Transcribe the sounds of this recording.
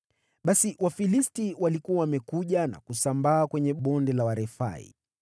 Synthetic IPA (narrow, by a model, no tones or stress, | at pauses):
ɓasiwafilistiwalikuwawamɛkuʄana̰kusambaːkwɛɲɛɓɔndɛlawaɾɛfa̰ḭ